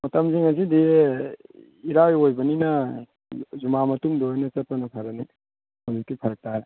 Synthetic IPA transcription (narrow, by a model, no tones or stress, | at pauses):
mɐtɐmziŋɐs̬idi | iɾajojbɐninɐ | zumamɐtumdojnɐt͡ʃɐt̚pɐnɐpʰɐɾɐni | mozukːipʰɐɾɐk̚taɾ